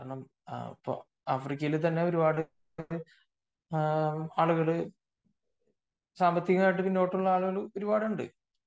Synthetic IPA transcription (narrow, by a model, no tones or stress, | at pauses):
ɽɐɳːɐm | ḭpːo̰ː | aːfrik̬ʲːɐjilt̪̬ɐnːe̞o̞ɾubaːɽɨ | aːɭuɣɐɭɨ | saːmbɐt̪ːikɐŋaːjiʈ̬ːɨpinːoːʈːuɭːɐaːɭuɣɐɭo̞ɾubaːɽuɳɖɨ̰